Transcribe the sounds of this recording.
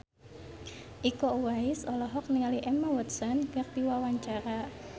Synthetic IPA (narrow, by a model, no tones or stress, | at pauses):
ʔikɔuwaɪsɔlɔɦɔk̚niŋaliʔɛmawɔt̪̚sɔnkak̚piwawaɲt͡ʃaɾa